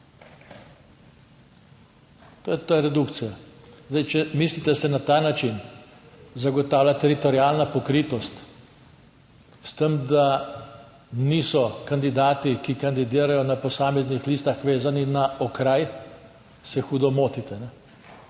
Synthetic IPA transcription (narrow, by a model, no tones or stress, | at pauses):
t̪ojɛt̪ojɾɛd̪ukt̪sijazd̪ajt͡ʃɛmiːslit̪ɛsɛnat̪aːnat͡ʃin | zaɡɔt̪aːwlʲjat̪ɛɾit̪ɔɾiaːlnapɔkɾiːt̪ɔst̪ | st̪əmd̪a | niːsɔkand̪id̪aːt̪ikikand̪id̪iːɾajɔnapɔsaːmɛznixliːst̪axʋeːzaninaɔkɾaj | sɛxuːd̪ɔmoːt̪it̪ɛnɛ